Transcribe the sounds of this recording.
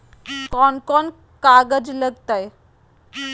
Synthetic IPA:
kɔnkɔn | kaɡəd͡ʑləɡt̪aj

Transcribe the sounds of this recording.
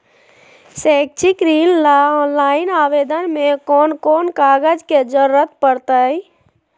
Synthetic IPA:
sɛːk̚t͡ʃikɾiːllaɔːnlaːɪnaːʋeːd̪ənmẽkɔːnkɔːnkaːɡəd͡ʒked͡ʒəɾuɾət̪pəɾt̪əi

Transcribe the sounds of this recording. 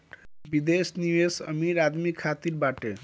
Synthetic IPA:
bid̪esniʋesə̰miɾaːd̪mikʰːaːt̪iɾbaːʈe

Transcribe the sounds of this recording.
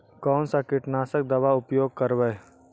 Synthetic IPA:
kɔːnsakɪʈnaːsək̚d̪ɐʋaʊpjoːɡ̚kəɾʋə

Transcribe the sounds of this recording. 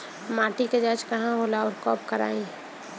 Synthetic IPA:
mãːʈiked͡ʒaːd͡ʒkɐɦãɦoːlaɔːɾkɔːpkəɾa̰ːẽ

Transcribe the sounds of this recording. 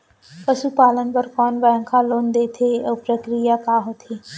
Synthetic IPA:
pəsupaːlənbəɾkɔːnʋajəŋkʰãːloːnd̪eːt̪ʰeoːpɾəkɾijaːpaːɦot̪ʰeː

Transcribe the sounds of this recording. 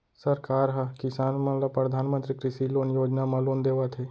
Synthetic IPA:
səɾkaːɾɦakɪsaːnmãːlapɾəd̪ʱaːnmə̃nt̪ɾiːkɾɪsiːloːnjoːd͡ʒnaːmãːloːnd̪eːʋaːt̪ʰeː

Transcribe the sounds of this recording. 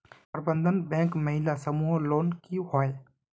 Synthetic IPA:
pəɾbə̃nd̪ʱənbɛ̃ːkməɦɪlasɐmuːɦloːnkiɦoe

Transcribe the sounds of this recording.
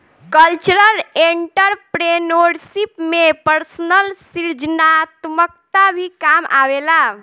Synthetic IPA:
kəlt͡ʃɾəleɳʈəɾpɾenoɖsipmepəɾsənəlsiɾd͡ʒnat̪mək̚t̪abʱikama̰ʋela

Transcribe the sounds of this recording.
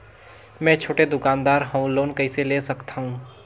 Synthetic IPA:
mɛ̃t͡ʃʰoʈed̪ʊkaːnd̪aɾɦə̃ũloːnkəɪselesəkt̪ʰaɦũ

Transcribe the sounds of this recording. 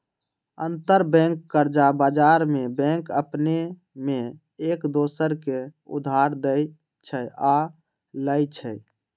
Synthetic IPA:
ə̰nt̪əɾbɛ̃ŋkːəɾd͡ʒabad͡ʒaɾmebɛ̃ŋkəpne | me | ekd̪osəɾkeṵd̪ʱaɾd̪əj | t͡ʃʰəja | ləjt͡ʃʰəj

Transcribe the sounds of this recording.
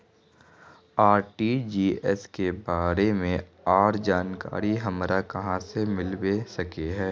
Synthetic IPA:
aːɾʈid͡ʒiːɛskebaːɾemẽ | aːɾd͡ʒaːnka̰ːɾiɦɐmɾakɐɦãsemɪlwesɐkeɦɛː

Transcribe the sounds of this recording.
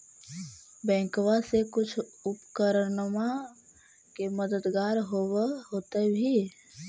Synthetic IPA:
bɛ̃ːŋkwasekʊt͡ʃʰʊpkəɾəɾnma | keməd̪əd̪ɡaːɾɦoːweɦoːt̪ebʱi

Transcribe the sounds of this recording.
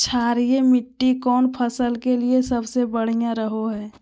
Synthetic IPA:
t͡ʃʰaːɾijemɪʈːikɔːnpʰəsəlkeliesɐbsebəɽ̤ijãɾəɦoɦɛː

